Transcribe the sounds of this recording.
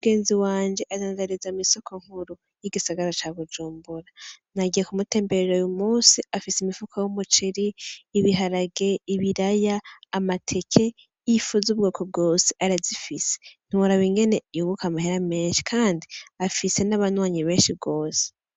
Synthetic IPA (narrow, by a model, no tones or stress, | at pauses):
uuɡe̞ːnziwaːnd͡ʒe̞ʔadanɾaɾezamiso̞kʰoŋ̥huɾu | jiɡisaɡaɾat͡ʃaβud͡ʒuːmbuɾanaɡijekumute̞ːmbeɾeɾojumuːsiafisimifukʰajumut͡ʃiɾiːβiɦaɾaɡe̞iβiɾajaːmatʰe̞kʰe̞ | jifuzub̚ɡoːkʰob̚ɡoːseʔaɾazifise̥n̥iwuɾaβiŋɡe̞ne̞juβukamaheɾame̞ːnʃi̥kʰaːndiafise̞naβanwaːɲiβe̞ːnʃib̚ɡo̞ːse̥